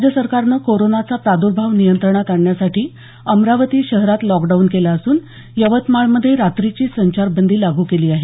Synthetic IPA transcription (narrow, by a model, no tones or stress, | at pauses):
d͡ʑjəsəɾkaɾnəːkoɾonat͡sapɾad̪uɾbʱaʋnijənt̪ɾəɳ̃at̪aɳjasaʈʰiː | əmɾaʋət̪iːɕəɦɾat̪lɔkɖaunkelaəsuːn | jəʋət̪maɭməd̪ʱːjeɾat̪ɾit͡ɕiːsəɲt͡ɕaɾbənd̪ʱiːlaɡʱuːkeliːaɦe